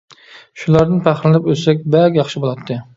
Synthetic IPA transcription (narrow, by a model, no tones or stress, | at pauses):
ʃʊlˠaɾnɪpʰæχɾɪlɪpøsɛkʲbækʲjɑχʃɪbolˠɑt̪ʰːɨ